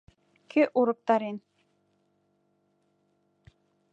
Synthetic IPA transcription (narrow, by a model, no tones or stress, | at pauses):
kʰeʔuɾɤ̆k̚t̪ɑɾen